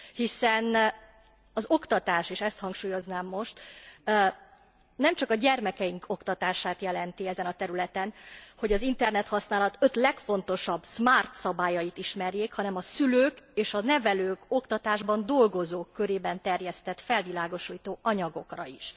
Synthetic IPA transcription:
hisɛn | ɒzo̞kt̪ɒt̪aːʃeːʃɛst̪hɒŋkʃuːjo̞znaːmːo̞ʃt̪ | nɛmt͡ʃɒkɒɟɛrmɛkɛiŋkʰo̞kt̪ɒt̪aːʃaːt̪jɛlɛnt̪iɛzɛnɒt̪ɛɾylɛt̪ɛnho̞ɟɒzint̪ɛrnɛt̪hɒsnaːlɒt̪ø̞t̪lɛkfo̞nt̪o̞ʃɒbsmaːrt̪sɒbaːjɒjit̪iʃmɛrjeːkhɒnɛmɒsyløːkeːʃɒnɛvɛløːko̞kt̪ɒt̪aːʒbɒnd̪o̞lɡo̞zoːkːøɾeːbɛnt̪ɛrjɛst̪ɛt̪fɛlvilaːɡo̞ʃuːjt̪oːʔɒɲɒɡo̞krɒ̰iʃ

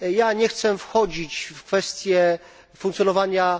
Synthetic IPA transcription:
jaɲɛxt̪sɛfxɔd͡ʑit͡ɕfkfɛst̪ʲjɛ | fuŋk̪sʲjɔnɔvaɲa

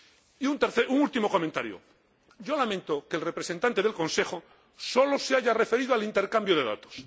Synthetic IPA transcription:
iunt̪eɾθeuŋult̪imo̞ko̞ment̪aɾjo̰ | ɟ͡ʝo̞lamẽnt̪okelre̞pɾese̞nt̪ant̪eðelkõ̞nse̞xo | so̞loseaʝarefe̞ɾið̞oalint̪e̞ɾkambjoðe̞ða̰t̪o̥s

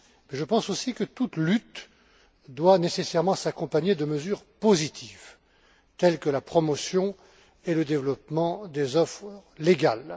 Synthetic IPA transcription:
mɛʒəpɑ̃sosikət̪ut̪lyt̪ | d̪wanesesɛʁmɑ̃sakɔ̃paɲed̪əməzyʁpozit̪ʰiv | t̪ɛlkəlapχɔmɔsjɔ̃ | eləd̪evlɔpmɑ̃d̪ezɔfχleɡʲal

